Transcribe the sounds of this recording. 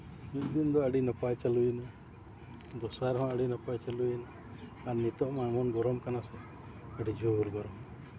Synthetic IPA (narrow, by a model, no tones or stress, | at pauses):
mit̪d̪ind̪ɔəɖinapajt͡ʃalujina | d̪ɔsaɾɦɔ̃əɖinapajt͡ʃalujina | aɾnit̪ɔʔmamɔnɡɔɾɔmkanasɛ | əɖid͡ʒʱuɾɡɔɾɔm